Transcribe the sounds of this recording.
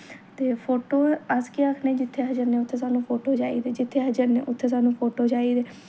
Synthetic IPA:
t̪eːpʰoːʈoːəskiːaːkʰnẽːd͡ʒɪt̪ʰːeːɦəd͡ʒəɾnẽːʊt̪ʰːeːsaːnũːpʰoːʈoːd͡ʒaːḭːd̪eːd͡ʒɪt̪ʰːeːɦəd͡ʒəɾnḛːʔʊt̪ʰːeːs̬aːnũːpʰoːʈoːd͡ʒaːiːd̪eː

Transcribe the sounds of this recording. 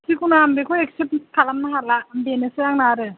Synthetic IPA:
sikunaambekʰɔekseptʰalamnaɦalaːmbenesɯjaŋnaɾɯ

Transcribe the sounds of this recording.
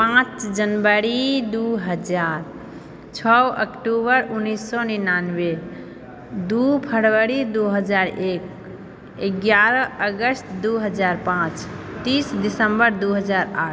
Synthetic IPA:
pãt͡ʃd͡ʒənbəɾid̪uɦəd͡ʒaɾ | t͡ʃʰɔə̰kʈubəɾunːisːɔninanwe | d̪upʰəɽwəɾid̪uɦəd͡ʒaɾek | eɡjaɾəəɡəst̪d̪uɦəd͡ʒaɾpãt͡ʃt̪isdisəmbəɾd̪uɦəd͡ʒaɾa̰ʈ

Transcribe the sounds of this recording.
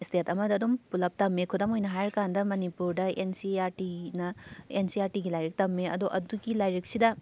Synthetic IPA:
stetɐmɐdɐːdumpulɐp̚tɐmːekʰudɐmojnɐɦajɾkandɐmɐnipuɾdɐensiaɾtinɐensiaɾtiɡilajɾik̚tɐmːeɐ̰duʔɐduɡilajɾik̚sidɐ

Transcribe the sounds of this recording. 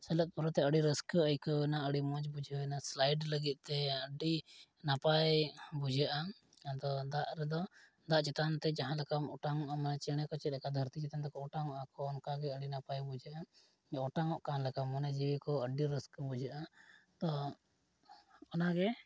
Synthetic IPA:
sɛlət̪̚ˀpɔɾɔt̪ɛəɖiɾəskəjkəwɛnaəɽimɔ̃d͡ʒbud͡ʒʱəwɛnaslajɖləɡit̪̚ˀt̪ɛəɖinapajbud͡ʒʱəʔa | t̪ɔd̪aʔɾɛd̪ɔ | d̪aʔt͡ʃɛt̪ant̪ɛd͡ʒaɦãlɛkamɔʈaŋɔʔamənɛt͡ʃɛɽ̃ɛkɔt͡ʃɛt̪̚lɛkad̪ʱəɾt̪it͡ʃɛt̪ant̪ɛkɔɔʈaŋɔʔakɔːnkaɡɛəɽinapajbud͡ʒʱəʔa | ɔʈaŋɔʔkanlɛkamːənɛd͡ʒiwɛkɔəɖiɾəskbud͡ʒʱəʔat̪ɔ | ɔnaɡɛ

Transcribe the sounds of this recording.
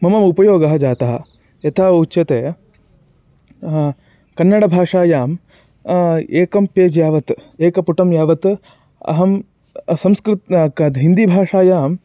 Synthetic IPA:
mɐmɐmupɐjoːɡɐɦɐd͡ʒaːt̪ɐɦɐ̰̆ | jɐt̪ʰaːutːʃɐt̪eː | kɐnːɐɽɐbʱaːʂaːjaːm | eːkɐmpeːd͡ʒjaːʋɐt̪eːkɐpuʈɐmjaːʋɐt̪ | ɐ̰ɦɐm | sɐmskɾɪt̪ɐɦind̪ibʱaːʂaːjaːm

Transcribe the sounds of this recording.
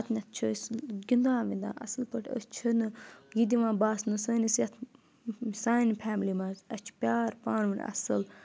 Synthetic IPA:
t̪nʲɐt̪̚ʰt͡ʃʰəsɡind̪ãːʋind̪ã̰ːʔɐsɨlpəʈʰʲə̰st͡ʃʰənɨɡid̪iʋãːbaːsnɨsəːnisjɐt̪ʰ | saːinpʰaːmlimɐzɐt͡ʃʰpʲjaːɾpaːnʋɨnʲɐ̰sɨl

